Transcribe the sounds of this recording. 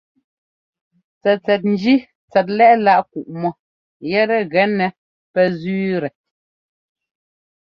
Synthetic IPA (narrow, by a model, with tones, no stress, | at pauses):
t͡sɛ˨t͡sɛ˨t̬̚n̩˦d͡ʒi˦ | t͡sɛ˨t̬̚lɛ˦ʔla˦ʔku˨ʔmɔ˨ | jɛ˦ɾɛ˨ɣɛ˦nɛ˨ | pɛ˦zʉː˦ɾɛ˨